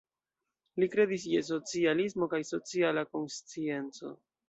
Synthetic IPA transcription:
likɾe̞d̪is̬jes̬o̞t͡sialismo̞kajso̞t͡sialako̞nst͡sie̞nt͡so̞̰

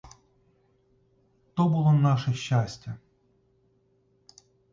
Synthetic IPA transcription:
t̪obɨlˠonaʂɛɕːasʲtʲɛ

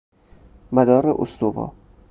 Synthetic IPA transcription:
mæd̪ɒːɾeʔo̰st̪ovɒ̰ː

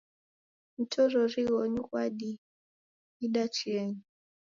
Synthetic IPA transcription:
m̩tʰɔɾɔɾiɣɔɲukwaɗi | iɗat͡ʃiɛŋi

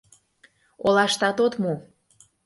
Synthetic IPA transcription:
olɑʃt̪ɑt̪ot̪mo

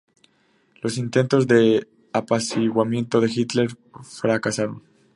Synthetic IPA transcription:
lo̞sint̪e̞nt̪o̞zðe̞ | apasiɣwamjẽ̞nt̪o̞ðe̞xit̪le̞ɾ | fɾakasaɾo̞n

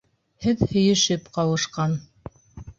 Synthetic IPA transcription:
hɘðhɵ̆jɘ̆ʃɘpqɑwɤ̆ʃqɑn

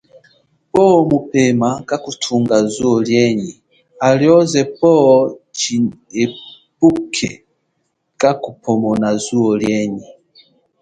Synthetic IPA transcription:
pɔmupɛmakakutʰuŋɡazuɔljɛɲi | aljɔzɛpɔt͡ʃi | e | pukʰɛ̰ | kakupʰɔmɔnazuɔljɛɲi

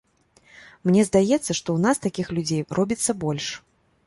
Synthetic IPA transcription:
mnʲɛzd̪ajɛt̪sːɐʂt̪ɔwnast̪akʲixlʲud͡zʲejrʔɔbʲit̪sːɐbɔlʲʂ

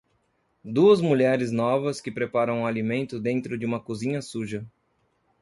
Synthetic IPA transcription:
d̪uɐzmuʎɛɾɪznɔvɐskɪpɾepaɾɐ̃w̃ũalimẽnt̪ʊd̪ẽnt̪ɾʊd͡ʒɪũmɐkuzĩɲɐsuʒɐ

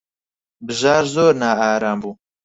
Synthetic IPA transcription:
bɨʒaːɾzoːɾnaːaːɾaːmbuː

